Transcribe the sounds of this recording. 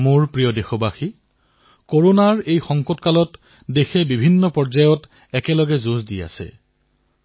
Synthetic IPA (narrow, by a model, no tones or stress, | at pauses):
muɹpɹijɔdexɔbaxi | koɹonaɹejxɔŋkɔtkalɔt | dexɛbibʱinːɔpɔɹzajɔt | ɛkɛlɔɡɛzozdija̰sɛ̰